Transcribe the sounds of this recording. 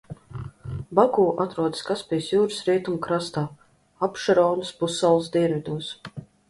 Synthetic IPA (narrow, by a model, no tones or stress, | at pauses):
baɡuːʔat̪ɾuɔd̪skaspʲijsjuːɾɨsɾiɛt̪umkɾast̪aː | apʃaɾɔwnuspusːalˠsd̪ʲiɛnvʲid̪uɔs